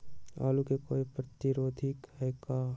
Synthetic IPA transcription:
a̰ːlukekoːipɾət̪iɾoːd̪ʱikhɛjka

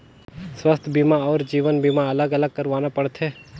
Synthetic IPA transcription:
swəst̪ʰbimaɔːɾd͡ʒiːʋənbimaɐləɡɐləɡ̚kɐɾʋaːnapɐɽt̪ɦɛː

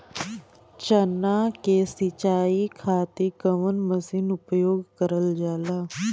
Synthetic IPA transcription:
t͡ʃənːakeːsit͡ʃaːikʰaːt̪ikəʋənməsinʊpjoːɡkəɾəld͡ʒaːlaː

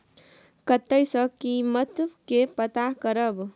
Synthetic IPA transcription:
kət̪ːəjsʌ̃kimʌt̪bkepət̪akəɾʌb

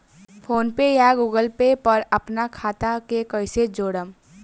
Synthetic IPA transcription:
pʰoːnpejaɡuːɡəlpepɐɾɐpnakʰaːt̪akekəɪsed͡ʒoːɽəm

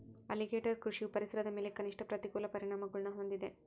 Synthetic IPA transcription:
ɐ̰liɡeːʈɐɾkɾuʂiupɐɾisɐɾɐd̪ɐme̞ːlekɐniʂʈɐpɾɐt̪ikuːlɐpɐɾiɳaːmɐɡɐɭunɐɦo̞nd̪id̪e̞

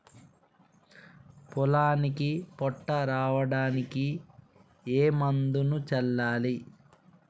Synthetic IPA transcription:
pɔlaːnikipɔʈːɐɾaːʋɐɽaːniki | eːmɐnd̪unut͡ʃɛlːaːli

